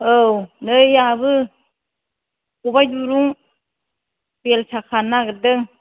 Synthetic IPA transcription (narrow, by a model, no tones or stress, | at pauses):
ownɯjjabɯ | kubajduɾuŋ | pelsʰakʰanːaɡɯdɯŋ